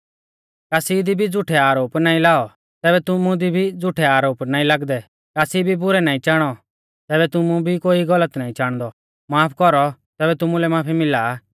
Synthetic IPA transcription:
kaːsid̪ibʱid͡zʊʈʰɛaːɾoːpnaːĩlaːɔ | t̪ɛːβɛt̪ʊmũd̪ibʱid͡zʊʈʰɛaːɾoːpnaːĩlaɡd̪ɛ | kaːsibʱibʊɾɛnaːĩt͡ʃaːɽ̃ɔ | t̪ɛːβɛt̪ʊmũbʱikoːiɡɐlət̪naːĩt͡ʃaːɽ̃d̪ɔ | maːpʰkɔɾɔt̪ɛːbɛt̪ʊmũlɛmaːpʰimɪlaː

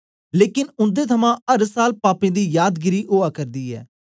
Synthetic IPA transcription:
leːkɪnʊnd̪eːt̪ʰəmãːəɾsaːlpaːpẽːd̪iːjaːd̪ɡɪɾiːʔoːaːkəɾd̪iːɛ̰ː

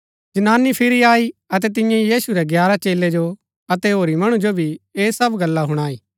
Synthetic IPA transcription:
d͡ʒɐnaːnːipʰɪɾiaːiɐt̪̬ɛt̪̬ɪ̃jãjiːsuɾɛɡjaːɾat͡ʃeːlːed͡ʒo | ɐt̪ɛɦoːɾimɐɽ̃ũd͡ʒobʱieːsɐbɡɐlːaɦʊɽ̃aːiː

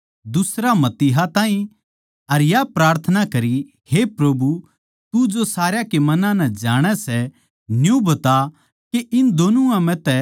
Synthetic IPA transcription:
d̪ʊsɾamɐt̪iːɦat̪ãːĩ | ɐɾjapɾaːɾt̪ʰənakɐɾi | hepɾɐbʱu | t̪ud͡ʒosaːɾjakemɐnãnɛd͡ʒaːɽ̃ɛsɛ | njũbɐt̪a | keʔɪnd̪oːnuãmɛ̃t̪ɛ

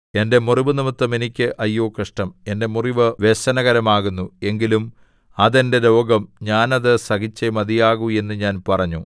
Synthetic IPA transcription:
e̞nde̞muriʋɨnimɐt̪ːɐme̞nikʲːɨʔɐjːoːkːɐʂʈɐme̞nde̞muriʋɨʋe̞ɕɐnɐɣɐɾɐmaːɣunːue̞ŋɡilum | ɐðe̞nde̞lo̞ːɡɐmɲaːnɐðɨsɐɣit͡ɕːemɐðijaːɣue̞nːɨɲaːnpɐrɐɲːu

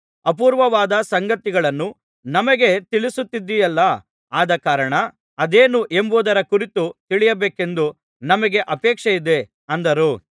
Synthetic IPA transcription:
ɐp̬uːɾʋɐʋaːd̪ɐsɐŋɡɐt̪iɡɐɭɐnːu | nɐmɐɡe̞t̪iɭisut̪ːid̪ːijɐlːɐ | aːd̪ɐkaːɾɐɳɐ | ɐd̪eːnuʔe̞mbuːd̪ɐɾɐkuɾit̪ut̪iɭijɐbeːke̞nd̪u | nɐmɐɡe̞ʔɐpɛːkʂɐjid̪e̞ | ɐnd̪ɐɾuː

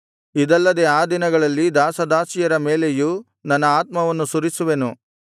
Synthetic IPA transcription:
id̪ɐlːɐd̪eaːd̪inɐɡɐɭɐlːid̪aːsɐd̪aːsijɐɾɐmeːle̞ju | nɐnːɐaːt̪̚mɐʋɐnːusuɾisuʋe̞nu

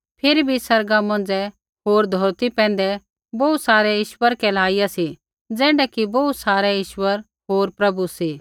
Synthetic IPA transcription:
pʰɪɾibʱisɐɾɡamɐ̃nd͡zɛ | ɦoːɾd̪ʱoːɾt̪ipɛ̃ːn̆d̪ɛ | bɔut̪saːɾɛjɪʃwəɾkɛlaːijasi | d͡zɛːɽɛkibɔut̪saːɾɛjɪʃwəɾ | ɦoːɾpɾɐbusiː

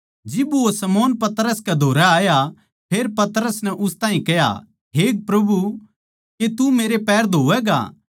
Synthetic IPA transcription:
d͡ʒɪbosɐmɔːnpɐt̪ɾəskɛd̪ʱoːɾaaːja | pʰeːɾpɐt̪ɾəsnɛʔʊst̪ãːɦĩkɛja̰ | ɦeːk̚pɾɐbu | ket̪umeːɾepɛːɾd̪ʱoːʋɛɡa̰ː

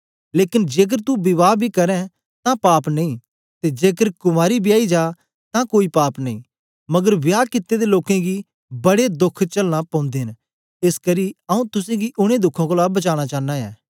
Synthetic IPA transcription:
leːkɪnd͡ʒeːk̬əɾt̪ubɪʋaːbʱikɐɾɛ̃ | t̪ãpaːpnɐĩ | t̪ed͡ʒeːkəɾkʊmaːɾibʱijaːid͡ʒaː | t̪ãkoːipaːpnɐḭ̃ː | mɐɡəɾbjaːkɪt̪ːed̪eloːkẽɡi | bɐɽed̪ʊkʰt͡ʃɐlñãpɐ̃ːʊ̃nd̪eɦn | ɪskɐɾiɐũt̪ʊsẽɡiʔʊɽ̃ẽd̪ʊkʰãkolaːbɐt͡ʃaːɽ̃at͡ʃaːnãjɛː

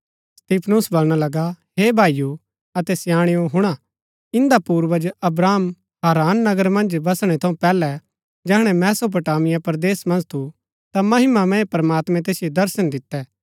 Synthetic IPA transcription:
st̪iːpʰnusbɐlɽ̃alɐɡaɦebʱaːiju | ɐt̪ɛsjaːɽ̃ɪjõɦʊɽ̃a | ɪ̃nd̪apuːɾʋəd͡ʒɐbɾaːm | ɦaːɾaːnːɐɡəɾmɐ̃nd͡ʒbɐsɽ̃ɛt̪ʰɐ̃ũpɛːlɛ | d͡ʒɛːɽ̃ɛmɛːsop̬ɐʈaːmɪjapɐɾd̪eːsmɐ̃nd͡ʒt̪ʰu | t̪amɐɦɪmamɛ̃epɐɾmaːt̪mɛ̃t̪eːsjod̪ɐɾsənd̪ɪt̪ːɛː

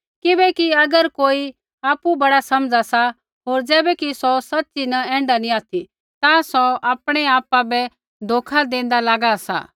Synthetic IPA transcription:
kɪbɛkiɐɡəɾkoːi | aːpubɐɽasɐmd͡zasa | ɦoːɾd͡zɛːbɛkisɔsɐtːt͡ʃinɐɛ̃ːɳɖaniaːt̪ʰi | t̪ãsɔʔaːpɽ̃ɛaːpabɛ | d̪ʱoːkʰad̪ẽːn̆d̪alaːɡasa̰

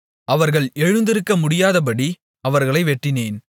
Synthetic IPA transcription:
ɐʋɐɾɣɐɭɛɻɯnd̪ɪɾɯkːɐmʊɽɪjaːðɐp̬ɐɽi | ɐʋɐɾɣɐɭɐɪʋɛʈːɪneːn

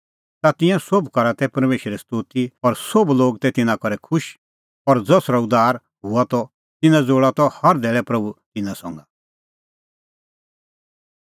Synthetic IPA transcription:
t̪at̪ɪ̃jãsobkɐɾat̪ɛpɐɾmeːʃəɾɛst̪uːt̪iɔɾsobloːɡt̪ɛt̪ɪnãkɔɾɛkʰʊʃ | ɔɾd͡zɔsɾaʊd̪aːɾ | ɦuat̪ɔ | t̪ɪnãd͡zoːɭat̪ɔhɐɾd̪ɛːɭɛpɾɐbut̪ɪnãsɔ̃ŋɡa

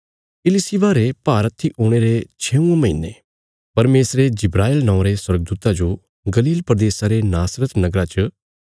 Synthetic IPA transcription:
ɪlɪsiʋaːɾepaːɾət̪ʰːiʔoːɽ̃eɾet͡ʃʰeːũẽmɐɦḭnːe | pɐɾmeːsɾed͡ʒɪbɾaːɪlnɔ̃õɾeswɐɾɡ̚d̪uːt̪ad͡ʒo | ɡɐliːlpɾəd̪eːsaɾenaːsɾət̪nɐɡɾat͡ʃə

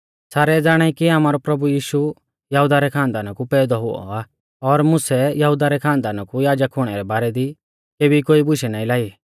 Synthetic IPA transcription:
saːɾɛd͡zaːɽ̃aːikiaːmaːɾɔpɾɐbujiːʃu | jɐɦud̪aɾɛkʰãːnd̪aːnakupɛːd̪ɔɦʊɔ̰aː | ɔɾmʊsɛjɐɦʊd̪aɾɛkʰãːnd̪aːnakujaːd͡ʒəkʰɦʊɽ̃ɛɾɛbaːɾɛd̪i | keːbikoːibʊʃɛnaːĩlaːi

